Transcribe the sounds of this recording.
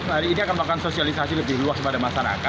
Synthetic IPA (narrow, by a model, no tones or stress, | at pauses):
maɾiːniakanmakansosialisasiləbɪhluasəbadamasaɾa̰ka